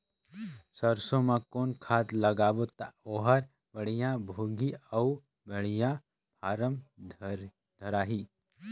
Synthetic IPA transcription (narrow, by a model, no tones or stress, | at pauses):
səɾsõmãkoːnkʰaːt̪lɐɡaːʋot̪aoːɦəɾ | bɐɽijãbʱoːɡiɐu | bɐɽijã | paːɾəm | d̪̥ʱəɾaːɦiː